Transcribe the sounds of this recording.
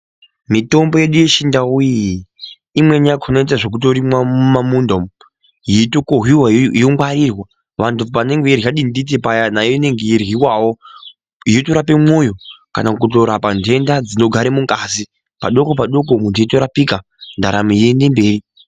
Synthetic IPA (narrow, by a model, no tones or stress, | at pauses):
mito̞mbo̞je̞ɗuje̞ʃindauji | imwe̞ɲakʰonoitaʐe̞k̬ut̬o̞ɾimwamumamundom | jiitokoɦwiwajoŋwaɾirwa | ʋantupane̞ŋɡeirɣjaɗindit̬epajanajone̞ŋɡejirwiwawo | jitoɾapemo̞jo̞ka̰nakuto̞ɾapande̞ndad͡zino̞ɡʱaɾemuŋkazi | paɗo̞ko̞paɗo̞komundiito̞ɾapika | ndaɾamijende̞mbe̞ːri